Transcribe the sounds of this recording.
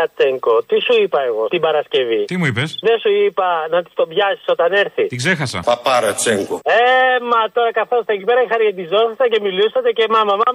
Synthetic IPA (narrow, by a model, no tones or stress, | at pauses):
ɐt͡seŋkot̪isuipɐe̞ɣo̞t̪ibɐɾɐsce̞vit̪imuipesðe̞suipɐnɐt̪i̥st̪o̞bʝɐsi̥so̞t̪ɐne̞ɾθit̪iɡzexɐsɐ̰pɐpɐɾɐt͡seŋkoemɐt̪o̞ɾɐkɐθo̞st̪ɐecipeɾɐixɐɾcet̪izo̞xɐsɐce̞milusɐt̪ece̞mɐmɐmɐm